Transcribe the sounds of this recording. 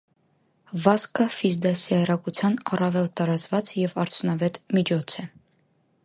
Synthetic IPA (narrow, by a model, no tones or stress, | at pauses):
vɑskəfizd̪ɑsiɑɾɑkut͡sʰjɑnɑrɑvɛlt̪ɑɾɑt͡svɑt͡sjɛvɑɾt͡sʰjunɑvɛt̪mit͡ʃʰɔt͡sʰɛ